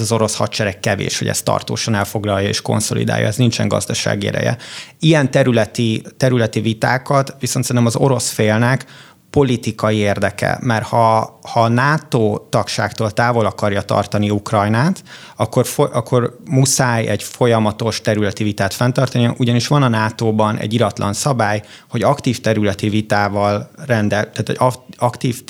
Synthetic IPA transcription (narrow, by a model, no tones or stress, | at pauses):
ɒzo̞ɾo̞shɒ̰tt͡ʃɛɾɛkːɛvḛːʃho̞ɟɛ̰st̪ɒ̰rt̪o̰ːʃɒnɛlfo̞ɡlɒjːɒḛːʃko̞̰nso̞̰lḭd̪a̰ːjɒ̰ɛznint͡ʃɛ̰ŋɡɒ̰zd̪ɒʃa̰ːɡiɛ̰d̪ɛ̰jɛ̰ijɛnt̪ɛɾylɛt̪it̪ɛɾylɛt̪ivit̪aːkɒt̪ʋisont̪sɛɾinɛmɒzo̞ɾo̞sfeːlnɛk | po̞lit̪ikɒjieːrd̪ɛkɛ̰mɛrhɒhɒnaːt̪oːt̪ɒkʃa̰ːkt̪oːlt̪aːvo̞lɒkɒrjɒt̪ɒ̰rt̪ɒniukrɒjnaːt̪ | ɒkːorfoʔɒkʰːo̞rmusaːjɛɟfo̞jɒmɒt̪o̞ʃt̪ɛɾylɛt̪ivit̪aːt̪fɛnt̪ɒrt̪ɒniɒʔuɟɒniʃʋɒnɒnaːt̪oːbɒnɛ̰ɟːilɒt̪lɒ̰nsɒbaːj | ho̞ɟɒkt̪iːft̪ɛɾylɛt̪ivit̪aːvɒlrɛnd̪ɛt̪aːt̪ʰo̰ɒkt̪iːf